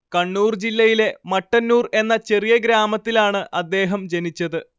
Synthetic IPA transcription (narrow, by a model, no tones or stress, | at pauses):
kɐɳːuːrd͡ʑilːɐjile̞mɐʈːɐnːuːre̞nːɐt͡ɕe̞rijɐɡɾaːmɐt̪ːilaːɳɨʔɐd̪ːe̞ːɦɐmd͡ʑenit͡ɕːɐðɨ